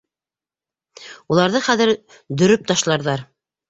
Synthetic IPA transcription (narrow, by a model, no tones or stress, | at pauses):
ulˠɑɾðɤχæðɘɾ | d̪ɵ̆ɾɵp̚t̪ɑʃlˠɑɾðɑɾ